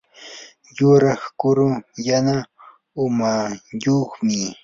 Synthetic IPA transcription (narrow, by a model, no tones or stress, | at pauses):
jʊɾɑχkʊɾʊjana | ʊmajoχmɪ